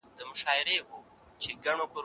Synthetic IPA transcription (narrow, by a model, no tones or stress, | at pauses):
d̪əmʊʃɑɪɾeʔo | t͡ʃeɡaɳ̃okoɾ